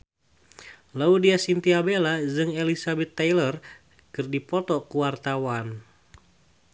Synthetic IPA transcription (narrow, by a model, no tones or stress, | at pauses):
laudiasint̪iabelad͡ʒɨŋelisabɛt̪ːajlər | kɨrdipɔt̪ɔkuwart̪awan